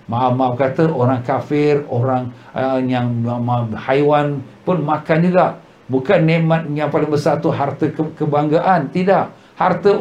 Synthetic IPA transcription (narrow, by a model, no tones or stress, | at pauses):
maʔafmaakat̪əʔoɾaŋkafɪroɾaŋ | jaŋmahajwanpʊnmakand͡ʒuɡaʔ | bukanːɛmat̪̚jaŋpalɪŋbəsart̪uɦart̪əkəbaŋɡaʔant̪idaʔ | hart̪ə